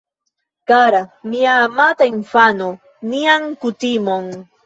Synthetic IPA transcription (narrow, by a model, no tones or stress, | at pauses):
kaɾamiamat̪aemfano | niaŋkʊt̪imoŋ